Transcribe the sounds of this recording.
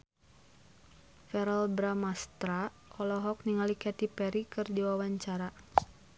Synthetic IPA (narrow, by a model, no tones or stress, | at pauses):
fɛɾɛlbɾamast̪ɾa | ɔlɔɦɔk̚niŋalikɛt̪ipɛɾikɨrdiwawaɲt͡ʃaɾa